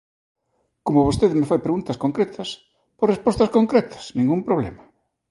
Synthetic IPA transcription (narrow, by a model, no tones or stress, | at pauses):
komoβost̪eðmɪfajpɾeɣunt̪ɐskoŋkɾet̪ʰɐs | porespost̪ɐskoŋkɾɛt̪ʰɐ̥snĩŋɡumpɾoβ̞lḛma